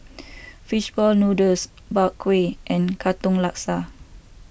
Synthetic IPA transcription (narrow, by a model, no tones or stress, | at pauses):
fiʃbɔlnudəs | bakʰweʔɛ̃nkʰat̪ɔ̃ŋlaksa